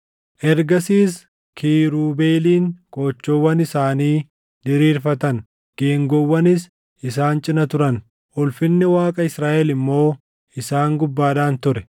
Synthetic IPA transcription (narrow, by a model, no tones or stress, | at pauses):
ʔɛɾɡɐsiːs | kʰiːɾuːbe̞ːliːŋkʼo̞ːt͡ʃːɔwːɐnɪsaːniː | d̪ɪɾiːɾfɐt̪ɐŋ | ɡ̥eːŋɡɔwːɐnɪs | ɪsaːnt͡ʃʼɪnɐt̪ʊɾɐn | ʔʊlfɪnːɪwaːkʼɐɪsɾaːʔɛlɪmːo̞ː | ɪsaːŋɡʊbːaːᶑaːnt̪ʊɾɛ